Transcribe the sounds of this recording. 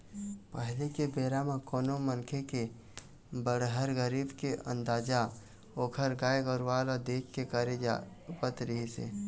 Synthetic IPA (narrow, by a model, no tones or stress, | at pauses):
pəɦlekebeːɾamẽkɔːnomənkʰeke | bəɽɦəɾɡəɾiːbkeʔə̰̃nd̪aːd͡ʒa | oːkʰəɾɡaːeɡəɾwaːlad̪eːkʰkekəɾed͡ʒa | pət̪ɾəɦesḛː